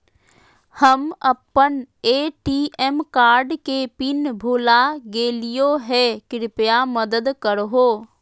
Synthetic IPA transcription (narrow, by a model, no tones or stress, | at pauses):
həməpːəneːʈiːʔɛmkaːɾɖkepɪnbʱoːlaɡeːlijoɦɛkɪɾɪpjaməd̪əd̪kəɾɦoː